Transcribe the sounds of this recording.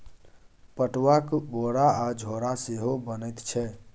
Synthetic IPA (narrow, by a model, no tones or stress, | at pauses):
pəʈʋakboɾaad͡ʒʱoɾaseɦobənəjt̪t͡ʃʰɛ